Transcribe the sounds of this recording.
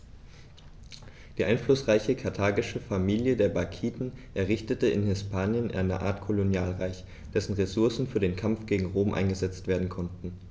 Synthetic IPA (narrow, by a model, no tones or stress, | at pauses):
d̥iːʔaɪnflʊsʁ̥aɪçəkʰaɐtʰaːɡɪʃəfamiːljədeːɐbaɐkʰiːtn̩ʔɛɐʁ̞ɪçtətəɪ̰nhɪspʰaːnjənʔa̰ɪnə̰ʔa̰ːɐtkʰolonjaːlʁaɪç | d̥ɛsn̩ʁesʊɐsn̩fyːɐdeːnkʰamfɡ̥eːɡŋ̩ʁoːmʔa̰ɪnɡəzɛt͡stv̥eːɐdn̩kʰɔntn̩